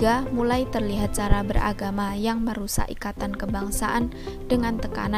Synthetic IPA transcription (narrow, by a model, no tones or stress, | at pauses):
amulajt̪ərliɦat̪̚t͡ʃaɾabəɾʔa̰ɡamajaŋməɾusa̰ʔikat̪ankəbaŋsaʔan | dəŋant̪əka̰na